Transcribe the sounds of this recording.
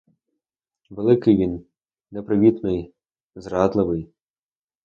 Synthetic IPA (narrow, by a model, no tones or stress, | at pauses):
ʋelˠɪkɪjʋʲin | nɛpɾɪʋʲit̪nɪj | zrɑd̪lˠɪʋɪj